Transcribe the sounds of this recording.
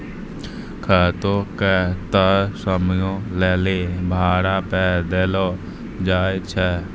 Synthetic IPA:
kʰaːt̪okɛt̪əɾsəmjõːlɛːlebʱaːɾapɛːd̪elɔː | d͡ʒaːt͡ʃʰɛː

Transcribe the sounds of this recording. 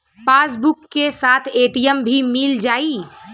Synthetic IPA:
pasbukːesat̪ʰeʈijəmbʱimild͡ʒai

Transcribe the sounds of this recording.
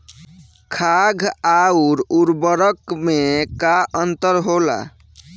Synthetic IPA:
kʰaɡʱauɾuɾbəɾəkmekaʔənt̪əɾɦola̰

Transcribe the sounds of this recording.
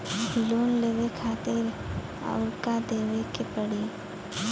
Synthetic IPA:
loːnleːʋekʰaːt̪ɪɾ | a̰ʊɾkad̪eːʋekepəɽi

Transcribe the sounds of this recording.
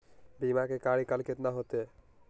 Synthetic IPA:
bimakekaɾikalket̪naɦot̪e

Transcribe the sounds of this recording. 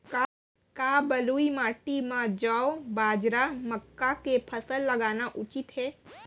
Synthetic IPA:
ka | kabəluimaːʈimãd͡ʒəwbaːd͡ʒɾaməkːakepʰəsəlːəɡaːnaʔut͡ʃit̪ɦe

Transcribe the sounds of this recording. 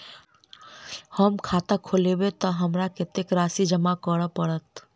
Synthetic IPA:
həmkʰaːt̪akʰolewet̪ɔɦəmɾakɪt̪ekɾaːsid͡ʒəmakəɽəpəɽət̪

